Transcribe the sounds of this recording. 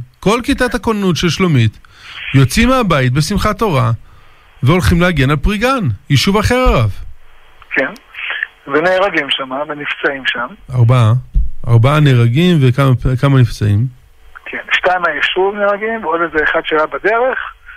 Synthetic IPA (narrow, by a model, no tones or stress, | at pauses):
ko̞lkitathakonanutʃelʃlomit̪jo̞t͡simeabait̚be̞simχato̞ʁa | veo̞lχimleaɡe̞nalpʁiɡanjiʃuvaχe̞ʁaʁav | kʰen | veneːʁaɡimʃamavenift͡saimʃamaʁbaaa̰ʁbaaneʁaɡimvekamapekamanift͡saim | kʰenʃtajmajiʃuvneʁaɡimveodezeːχadʃajabad̪eʁeχ